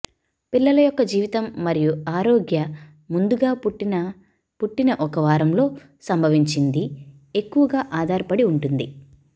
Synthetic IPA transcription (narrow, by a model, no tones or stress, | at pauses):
pilːɐlɐjɔkːɐd͡ʒiːʋit̪ɐmːɐɾijuaːɾoːɡjɐ | mund̪uɡaːp | puʈːinɐʔɔkɐʋaːɾɐmlo̞ː | sɐmbʱɐʋiɲt͡ʃind̪i | e̞kːuʋɐɡaːʔaːd̪ʱaːɾɐpɐɽiuɳʈund̪i